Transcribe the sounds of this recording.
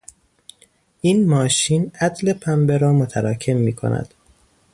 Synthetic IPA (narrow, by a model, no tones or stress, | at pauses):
ʔiːnmɒːʃiːnæd̪le̞pʰæmbe̞ɾɒːmot̪ʰæɾɒːcʰe̞mːiːkʰo̰næ̰d̪̥